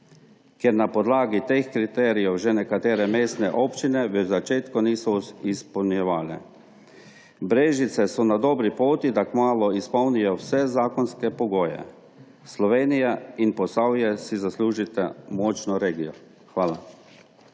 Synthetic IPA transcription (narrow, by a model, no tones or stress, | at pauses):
kjɛɾnapɔd̪laːɡit̪eːxkɾit̪ɛːɾijɔwʒɛnɛkat̪eːɾɛmeːst̪nɛʔoːpt͡ʃinɛʋəzat͡ʃeːt̪kɔniːsɔispɔwnjɛʋaːlɛ̰ | bɾeːʒit̪sɛsɔnad̪ɔːbɾipoːt̪id̪akmaːlɔispɔwnijɔwsɛzaːkɔnskɛpɔɡoːjɛ̰ | slɔʋeːnijainpɔsawjɛsizasluːʒit̪ɛmɔːt͡ʃnɔɾeːɡijɔ | xʋaːla